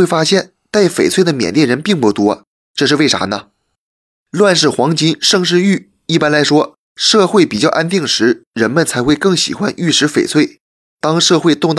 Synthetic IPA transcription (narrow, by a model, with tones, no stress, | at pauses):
e˥˩ɪfa˥ɕjɛ˥˩n | t̪a˥˩ɪfe˨˩ɪt͡sʰwe˥˩ɪd̪ə˩mjɛ̰˨˩nljɛ˥˩nɻə˧˥npi˥˩ŋpu˧˩t̪wɔ˥ | ʈ͡ʂɤ˥˧ʂ̬ɻ̩˥˧we˥˩ɪa̰˧˥nə˧ | lwa˥˧nʂ̬ɻ̩˥˩xwɑ˧˥ŋt͡ɕi˥nʂɤ˥˧ŋʂ̬ɻ̩˥˧y˥˩ | i˥˩pa˥nla˧˥ɪʂwɔ˥ | ʂɤ˥˧xwe˥˩ɪpi˨˩t͡ɕjɑ˥˧ʊʔa˥nt̪i˥˩ŋʂɻ̩˧˥ɻə˧˥nmə˧˨nt͡sʰa˧˥ɪxwe˥˧ɪkɤ˥˩ŋɕḭ˨˩xwa̰˥nʔy˥˩ʂɻ̩˧˥fe˨˩ɪt͡sʰwe˥˩ɪ | t̪ɑ˥ŋʂɤ˥˧xwe˥˧ɪt̪ʊ˥˧ŋt̪